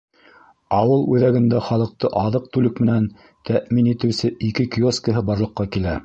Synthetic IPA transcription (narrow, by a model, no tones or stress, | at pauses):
ɑwɤlˠʉðæɡɘ̆nd̪æχɑlˠɤ̆q̚t̪ɤʔɑðɤq̚t̪ʉlɘkmɘ̆næn | t̪æʔminit̪ɘ̆wsɘikɘkioskə̆ɦɘbɑɾlˠɤ̆qːɑkilæ